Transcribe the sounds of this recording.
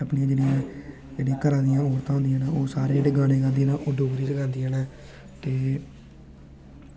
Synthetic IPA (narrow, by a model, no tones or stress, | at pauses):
əpnĩãːd͡ʒeːɽɪjãː | d͡ʒeːɽiːkəɾãːd̪ɪjãːɔːɾt̪ãːɦõnd̪ɪjãːnãːoːsaːɾeːeɽeːɡaːneːɡãːd̪inaːʔoːɖoːɡɾiːd͡ʒəɡãːnd̪iːaːnaː | t̪eː